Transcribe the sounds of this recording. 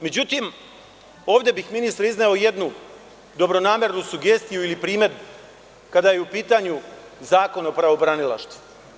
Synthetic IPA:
me̞d͡ʑut̪im | o̞ːʋvd̪je̞bixminist̪ɾizneo̞je̞d̪nu | d̪o̞bɾo̞naːme̞ɾnusuɡe̞ːst̪ijuilipɾiːme̞d̪bu | kad̪ajeupiːt̪aɲuzaːko̞nopɾaʋo̞bɾanilˠa̰ʃt̪vu̥

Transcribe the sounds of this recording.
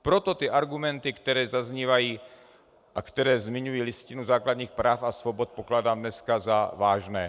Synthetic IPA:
pɾot̪ot̪iʔaɾɡumɛnt̪ikt̪ɛɾɛːzazɲiːvajiː | ʔakt̪ɛɾɛːzmɪɲujiːliscinuzaːklad̪ɲiːxpɾaːfasvobɔt̪̚poklaːdaːmdnɛskazavaːʒnɛː

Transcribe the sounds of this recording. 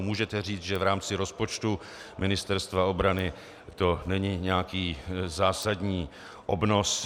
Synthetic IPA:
muːʒɛt̪ɛriːt͡s̪ʒɛvɾaːmt͡sɪɾo̞spot͡ʃt̪u | mɪnɪst̪ɛɾst̪vao̞bɾanɪ | t̪o̞nɛɲɪɲɛakiːzaːsadɲiː | ʔobno̞s

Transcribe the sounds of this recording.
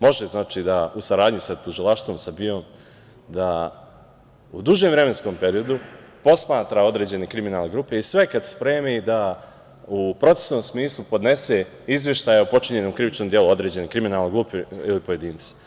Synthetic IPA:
mo̞ʒeznaːt͡ʃiːd̪ausaɾaːd̪ɲisat̪uʒilˠaʃt̪ʋo̞msabio̞ːm | d̪a | ṵd̪uʒemvɾe̞mensko̞ːmpe̞ɾio̞d̪u | po̞smaːt̪ɾao̞d̪ɾe̞ːd͡ʑe̞ne̞kɾiminalneɡɾuːpe̞isʋe̞kad̪spɾeːmid̪a | upɾo̞t̪se̥sno̞msmiːslˠupo̞d̪ne̞se̞ | izʋʲjeʃt̪aːjaupo̞t͡ʃiɲenomkɾiʋit͡ʃnomd̪jeluo̞d̪ɾe̞ːd͡ʑe̞nekɾiminaːlˠneɡɾuːpeilipo̞je̞d̪iːnt̪se̥

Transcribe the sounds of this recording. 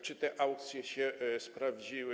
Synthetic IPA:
t͡ʂɨt̪ɛʔawk̚t̪sʲjɛɕɛspɾavd͡ʑiwɘ

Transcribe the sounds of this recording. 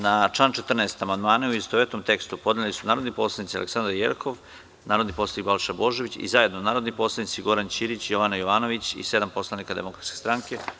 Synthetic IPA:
nat͡ʂlant͡ʃet̪r̩neest̪amand̪maːnauist̪oʋet̪omt̪e̞kst̪upo̞d̪nelisunaːɾo̞d̪nipo̞slˠanit̪ia̰leksand̪ɾaɾjḛɾkʰo̞ʋ | naːɾod̪nipo̞slˠanik̚balˠʃabo̞ʒeʋit͡ɕḭzaje̞d̪nonaːɾo̞d̪nipo̞slˠanit̪siɡo̞ɾant͡ɕiɾit͡ɕjo̞ʋanajo̞ʋaːno̞ʋit͡ɕḭse̞d̪ampo̞slˠanikad̪e̞̰mo̞kɾat̪skʲest̪ɾaŋke̞

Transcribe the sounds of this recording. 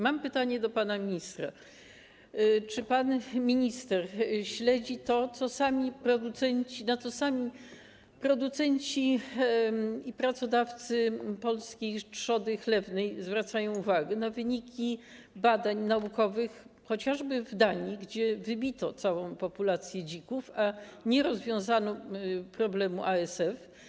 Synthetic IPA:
mampɘt̪aɲɛd̪ɔpanamʲiɲist̪ɾa | t͡ʂɘpanmʲiɲist̪ɛɾɕlɛd͡ʑit̪ɔt̪sɔsamʲipɾɔd̪ut̪sɛɲt͡ɕinat̪sɔsamʲi | pɾɔd̪ut̪sɛɲt͡ɕi | ipɾat̪sɔd̪aft̪sɘpɔlskʲejtʂɔd̪ɘxlɛvnɛjzvɾat̪sajɔ̃w̃uvaɡɛnavɘɲikʲi | bad̪aɲnaukɔvɘxxɔt͡ɕaʐbɘvd̪aɲiɡd͡ʑɛvɘbʲit̪ɔt̪sawɔ̃w̃pɔpulat̪sʲjɛd͡ʑikufaɲɛɾɔzvʲjɔ̃w̃zanɔpɾɔblɛmuʔaɛsɛf

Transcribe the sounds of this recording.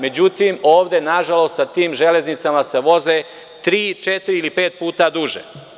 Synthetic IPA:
me̞d͡ʑut̪imo̞ːʋd̪e̞naʒalo̞st̪sat̪iːmʒele̞znit̪samase̞ʋo̞ze̞ | t̪ɾiːt͡ʃet̪iɾiilipeːt̪̚puːt̪ad̪uʒḛ

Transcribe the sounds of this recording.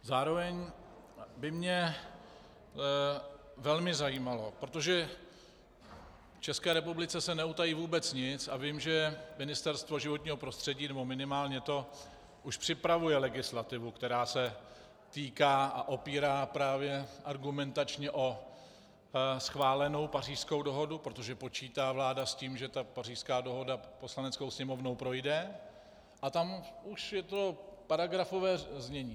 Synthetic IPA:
zaːɾo̞vɛɲ | bɪmɲɛ | vɛlmɪzajiːmalo̞pɾot̪o̞ʒɛ | ft͡ʃɛskɛːɾɛpublɪt͡sɛsɛnɛut̪ajiːvuːbɛt͡sɲɪt͡savɪmʒɛmɪnɪst̪ɛɾst̪vo̞ʒɪvot̪ɲiːɦo̞pɾo̞st̪r̥ɛɟiːnɛbo̞mɪnɪmaːlɲɛt̪o̞ | ʔuʃpr̝̥ɪpɾavujɛlɛɡɪslat̪ɪvukt̪ɛɾaːsɛ | t̪iːkaːʔaʔo̞piːɾaːpɾaːvjɛʔaɾɡumɛnt̪at͡ʃɲɛʔo̞ | sxvaːlɛno̞wpar̝iːsko̞wdo̞ɦo̞dupɾo̞t̪o̞ʒɛpo̞t͡ʃiːt̪aːvlaːdasciːmʒɛt̪apar̝iːʃskaːdo̞ɦo̞dapo̞slanɛt͡sko̞wsɲɛmo̞vnowpɾo̞jdɛ | ʔat̪amʔuʃjɛt̪o̞paɾaɡɾafo̞vɛːzɲɛɲiː

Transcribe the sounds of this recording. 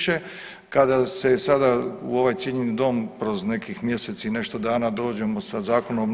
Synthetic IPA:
ʃe̞ | kad̪ase̞sad̪auo̞ʋajt̪jeɲenid̪o̞ːmpɾo̞zne̞kixmje̞set̪siine̞ʃt̪od̪aːnad̪o̞ːd͡ʑe̞mo̞sazaːkonom

